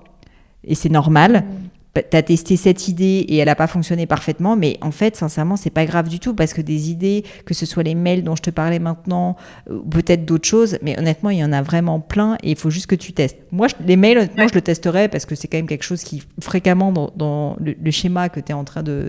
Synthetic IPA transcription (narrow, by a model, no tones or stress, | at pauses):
ḛsɛnɔʁmal | pt̪yat̪ɛst̪esɛt̪ʰid̪eeɛlapafɔ̃ksjɔnepaʁfɛt̪mɑ̃mɛʔɑ̰̃fɛt̪sɛ̃sɛʁmɑ̃sɛpaɡʁavd̪yt̪upaʁsə̥kəd̪ezid̪e | kəsəswalemɛjld̪ɔ̃ʒət̪əpaʁlɛmɛ̃t̪nɑ̃ | upøt̪ɛt̪χd̪ot̪χə̥ʃozmɛʔɔ̰nɛt̪mɑ̃iljɑ̃navʁɛmɑ̃plɛ̃ʔḛilfoʒyst̪̚kət̪yt̪ɛst̪mwaʒəlemɛjlɔnɛt̪mɑ̃ʒələt̪ɛst̪əʁɛpaʁsə̥kəsɛkɑ̃mɛmkʲɛlkə̥ʃoz̥kʲifχekamɑ̃d̪ɑ̰̃d̪ɑ̃lələʃemakət̪yɛɑ̃t̪χɛ̃d̪ə̰